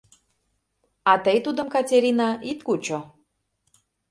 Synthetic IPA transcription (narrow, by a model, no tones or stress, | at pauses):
ɑt̪əjt̪ud̪ə̆mkɑtʲeɾʲinɑit̪kut͡ɕo